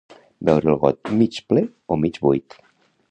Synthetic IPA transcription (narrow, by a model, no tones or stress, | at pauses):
bɛwɾəlɣɔ̰t̪̚mit͡ʃple | omit͡ʃbujt̪